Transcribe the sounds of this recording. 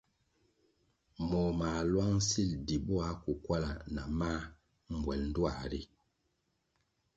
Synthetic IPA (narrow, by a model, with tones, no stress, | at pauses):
mɔ˨ma˨lwa˦ŋ˦si˦˨ldi˨bɔ˦a˨˦ku˨kwa˦la˨na˨ma˦ | m̩˨bwɛ˨ln̩˦du˦a˨ɾi˦